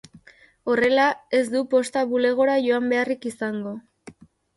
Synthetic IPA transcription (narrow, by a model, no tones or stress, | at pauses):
o̞re̞lae̞zd̪upo̞st̪aβule̞ɣ̞o̞ɾaʝo̞ambe̞arikisaŋɡo̞